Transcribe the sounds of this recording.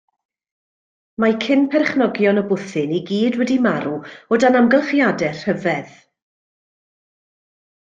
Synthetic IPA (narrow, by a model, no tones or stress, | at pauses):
makʰɪnpʰɛrχnɔɡjɔnəbʊθɨniɡiːdwɛdimaɾuɔdanamɡəlˠχjadɛr̥həvɛð